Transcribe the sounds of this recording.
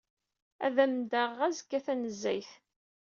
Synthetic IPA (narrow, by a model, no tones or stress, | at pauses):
æ̰ðæmd̪əʁæzkːæθænəzːæjθ